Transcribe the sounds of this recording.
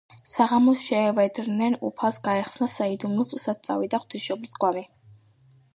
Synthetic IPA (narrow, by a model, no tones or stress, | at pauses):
saʁamɔsʃɛːvɛd̪ɾnɛnṵpʰalˠsɡaɛχsnasaid̪umnut̪sʼusat̪̚t̪sʼa̰vid̪aχwt̪ʰisʃɔblisɡwami